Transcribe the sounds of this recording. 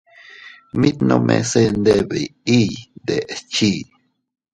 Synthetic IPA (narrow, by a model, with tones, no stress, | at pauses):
mi˦t̪no˧mʔḛse˦nd̪e˦be˨i˦d̪e˨ʔt͡ʃi˦